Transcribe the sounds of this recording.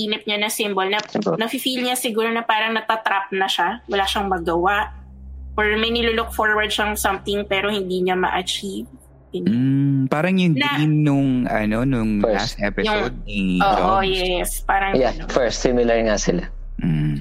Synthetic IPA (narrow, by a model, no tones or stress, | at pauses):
iːnɪp̚ɲanɐsɪmbolnɐnɐfɪfilɲɐsɪɡuːɾonɐpaːɾɐŋnɐt̪at̪ɾap̚nɐʃawɐlaːʃɐŋmɐɡɐwaʔpɔɹmɐjnɪlulok̚foɹwɐɹd̪̚ʃɐŋsɐmt̪ɪŋpɛːɾo̞hɪnd̪iːɲɐmɐ̰ʔɐt͡ʃiv | hɪnd̩paːɾɐŋjʊŋnɐinnʊŋɐno̞nʊŋasʔɛpɪjsʊŋod̪̚niʔoːʔʔojɛspaːɾɐŋja | fɛɹst̪simɪlɐɹŋasɪla